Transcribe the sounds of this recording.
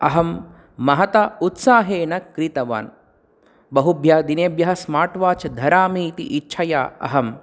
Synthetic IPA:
ɐɦɐmː | ɐɦɐt̪aut̪saːɦeːnɐkɾit̪ɐʋa̰ːn | bɐɦubʱjaːd̪ineːbjɐɦɐsmaːʈʋaːt͡ʃɐd̪ʱɐɾaːmiːt̪ḭʔitːt͡ʃʰɐjaːɐ̰ɦɐm

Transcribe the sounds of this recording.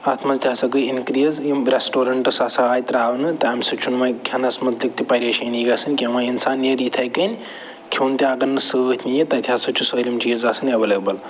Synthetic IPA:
ɐt̪ʰmɐzt̪ʰʲaːsɐɡɨinkɾizjimɾʲesʈoːɾɐɳʈɐsaːsaaːjt̪ɾaːʋnɨt̪ɐɐmʲsɐt͡ʃʰunmɐɡʰʲɐnɐsmɐt̪lik̚t̪ipɐɾʲeːʃɐniːɡɐːsɨnʲkʲimaːinsaːnːjɐɾit̪ʰɐjkɐnʲ | kʲʰuːnt̪ʲiɐɡɐɾnɨsəːt̪ʲʰnijit̪ɐt̪ʲʰaːsɐt͡ʃʰusəːlʲimt͡ʃiːzaːsɨnɐʋɐleːbɐl

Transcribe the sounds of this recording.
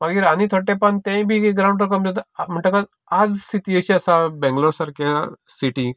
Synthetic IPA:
mɐɡiɾanit̪ʰoʈepɐnt̪ẽbʱikeɡɾaw̃ɳɖɾkɐmd͡zɐt̪m̤əɳʈɐka | ad͡zsit̪iəɕiɐsabɛ̃ŋɡlosɐɾka | siʈi

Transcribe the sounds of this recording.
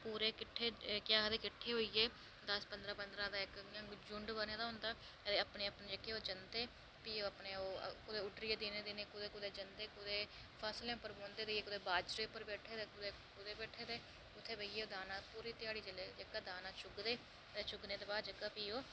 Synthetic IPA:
puːɾeːkɪʈʰːeːkɪjaːkəd̪eːkɪʈʰːeːɦoːiːeː | d̪əspənd̪ɾaːpənd̪ɾaːd̪aːɪkːd͡ʒʊɳɖbəːnẽːd̪aːɦʊ̃nd̪aː | əd̪eːəpneːəpneːd͡ʒəkːeoːd͡ʒənd̪eː | piːoːəpneːoːkʊd̪eːʊʈɾijeːd̪inẽːd̪inẽːkʊd̪eːkʊd̪eːd͡ʒənd̪eːkʊd̪eː | pʰəslẽpəɾbõːnd̪eːd̪eːeːkʊd̪eːbaːd͡ʒɾeːpəɾbɛːʈʰeːd̪eːkʊd̪eː | kʊd̪eːbɛːʈʰeːd̪eː | ʊt̪ʰːeːbəieːoːd̪aːnãːpuːɾiːt̪ɪjaːɽiːd͡ʒəleːd͡ʒəkːaːd̪aːnãːt͡ʃʊɡd̪eː | d̪eːt͡ʃʊɡneːt̪eːbaːd͡ʒəkːaːpiːoː

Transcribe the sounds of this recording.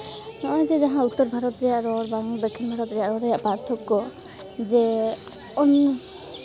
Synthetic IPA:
nɔzɛzaɦãut̪ːɔɾbʱaɾɔt̪ɾijaɾɔɾbaŋubɛkʰːinbʱaɾɔt̪ɾijaɾɔɾɛjapaɾt̪ʰɔkːɔ | zɛ | ɔn

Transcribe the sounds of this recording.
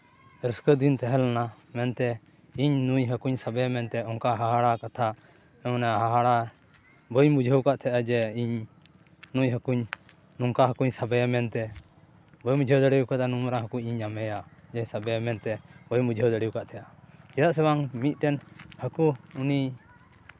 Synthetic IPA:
ɾəskəd̪int̪ɛɦɛlana | mɛnt̪ɛ | iɲnujɦəkuɲsabɛjamɛnt̪ɛɔŋkaɦaɦaɽakat̪ʰa | ɛnaɦaɦaɽa | bɔjmud͡ʒʱəwkaʔt̪ʰɛʔad͡ʒɛiɲ | nujɦəkuɲ | nuŋkaɦəkuɲsabɛjamɛnt̪ɛ | bɔjmud͡ʒʱəwd̪əɽiukat̪anuɾaɦəkuɲiɲamɛjad͡ʒɛjsabɛjamɛnt̪ɛbɔjmud͡ʒʱəwd̪əɽiwkaʔt̪ʰɛʔat͡ʃɛɾaʔsɛwaŋmit̪̚ˀʈɛnhəkuuni

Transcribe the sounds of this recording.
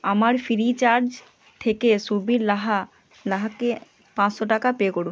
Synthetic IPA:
amaɾfiɾit͡ɕaɾd͡ʑ | t̪ʰekeʃubiɾlaɦa | laɦake | pãt͡ɕʃoʈakapekoɽun

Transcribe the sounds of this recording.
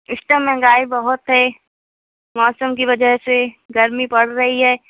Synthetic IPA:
ɪsʈəmːɛ̃ːŋɡaːibɐɦʊt̪ɦɛ | mɔːsəmkiʋɐd͡ʒəɦseɡɐɾmipɐɽ̤ɾɐɦiɦɛː

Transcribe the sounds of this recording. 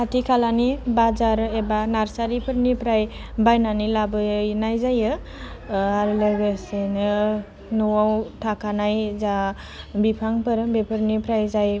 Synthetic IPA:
kʰatikʰalanibazaɾebanaɾsaɾipʰɯɾnipɾaj | bajnanilabɯjnajzajɯ | aɾlɯɡesenɯ | nɔwawtʰakanajza | bipʰaŋpɯɾbepʰɯɾnipɾajzaj

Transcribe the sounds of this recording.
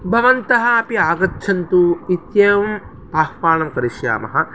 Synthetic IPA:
bʱɐʋɐnt̪ɐɦɐ̆ːpiaːɡɐtːʃʰɐnt̪uit̪jɐːʋɐm | p̪aːhpaːɳɐmkɐɾiʃja̰ːmɐ̰ɦɐ

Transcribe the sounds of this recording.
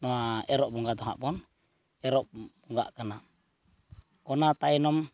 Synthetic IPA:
noaɛɾɔʔbɔŋɡat̪ɔɦa̰pɔn | ɛɾɔʔb̥uŋɡa̰ʔkəna | kɔnat̪ainɔm

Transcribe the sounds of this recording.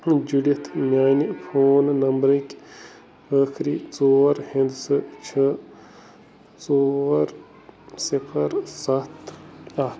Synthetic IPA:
d͡ʒuɽit̪ʰmjaːnipʰoːnnɐmbɾɐkʲ | əːxʰɾiːt͡soːɾhĩnd̪sɨt͡ʃʰɐ | t͡soːɾ | sipʰɐɾsɐt̪ɐt̪

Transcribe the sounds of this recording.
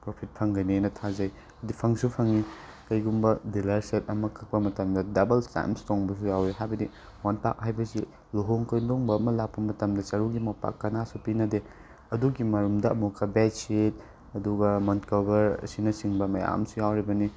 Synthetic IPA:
pɾopʰit̚pʰɐŋɡɐjniajnɐtʰazɐj | ɐdipʰɐŋsupʰɐŋi | kɐjɡumbɐdilɐɾset̚ɐmɐkʰɐk̚pɐmɐtɐmdɐdɐbɐlsta̰jmstoŋbɐs̬ujawɾiɦajbɐdi | wanpa̰k̚hajbɐsi | loɦoŋkɐjndoŋbɐːmɐlak̚pɐmɐtɐmdɐt͡ʃɐɾuɡimɐpa̰kːɐnasupinɐde | ɐduɡimɐɾumdɐɐ̰mukʰːɐbetset̚ | ɐduɡɐmɐntkobɐɾsinɐsiŋbɐmɐja̰msujawɾibɐni

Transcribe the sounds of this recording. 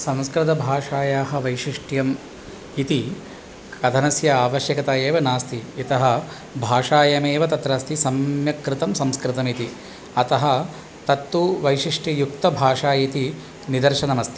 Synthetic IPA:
sɐmskɾɪt̪̬ɐbʱaːʂaːjaːɦɐʋɐjʂiʂʈjɐm | it̪i | kɐd̪ʱɐnɐsjɐaːʋɐʃjɐkɐt̪aːjeːʋɐnaːst̪ʰiːt̪ɐɦɐ̆ | bʱaːʂaːjɐmeːʋɐt̪ɐt̪ɾaːst̪ʰisɐmjɐkɾɪt̪ɐmsɐmskɾɪt̪ɐmit̪i | ɐt̪ɐɦɐ | t̪ɐt̪ːuʋɐjʂiʂʈjɐjuk̚t̪ɐbʱaːʂaːjit̪i | nid̪ɐɾʃɐnɐmɐst̪i

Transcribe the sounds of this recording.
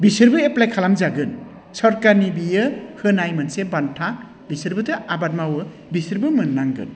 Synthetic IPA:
bisɯɾbɯeplajkʰalamzaɡɯn | sɔɾkaɾnibijɯhɯnajmɯnsebantʰak | bisɯɾbɯtʰɯʔabat̚mawɯ | bisɯɾbɯmɯnːaŋɡɯ̰n

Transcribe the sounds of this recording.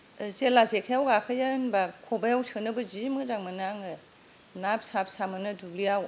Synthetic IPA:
zelazekʰajawɡakʰɯjanbakʰɔbajawsɯnɯbɯzimɯzaŋmanaŋɯ | nap̚sap̚samɯnɯdulijaw

